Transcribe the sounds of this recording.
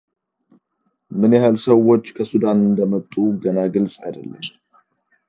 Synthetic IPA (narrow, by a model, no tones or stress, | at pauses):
mɨnjɛhalsəwo̞t͡ʃːkʰəsud̪anɨnd̪əmət̪ʼːuɡənaɡɨlsʼa̰jd̪ə̰lːə̰m